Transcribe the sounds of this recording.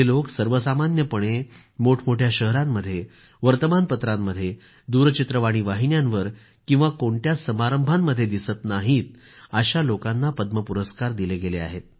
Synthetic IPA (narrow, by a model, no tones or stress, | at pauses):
eloksəɾʋəsamanjəpəɽ̃e | moʈʰmoʈʰjaɕəɦɾamːəd̪ʱːje | ʋəɾt̪əmanpət̪ɾamːəd̪ʱːje | d̪uɾt͡ɕit̪ɾəʋaɽ̃iʋaɦinjãnʋəɾ | kĩw̃ʋakoɳʈjasəmaɾəmbʱamːəd̪ʱjed̪isət̪naɦiːt̪̚ | aɕalokanːapəd̪məpuɾəskaɾd̪ileɡelea̰ɦet̪̚